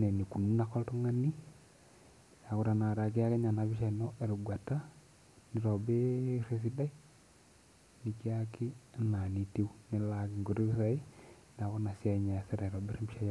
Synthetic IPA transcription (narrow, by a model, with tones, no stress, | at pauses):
ne˨ni˨ku˨nu˦na˨kːɔ˦lto˦ŋa˦ni˦ | a˨ku˨ɾa˨na˨ɾa˨ki˦a˦ke˦ɲa˨na˨bi˦ʃa˨i˨nɔ˦e˨ɾu˨ɡwa˨ta˦ | ni˨ɾo˨be˦ɾe˦s̬i˦da˦i˦ | ni˨ki˦a˦kɪ˦˨na˨ni˨ti˦u˦ne˨˦la˨kɪ˨ŋɡo˨ɾi˦βi˦sa˨i˦ | na˨ko˦na˨sja˦˨i˨ɲa˨se˦ɾa˨ɾo˨be˦ɾe˦mbi˦ʃa˦j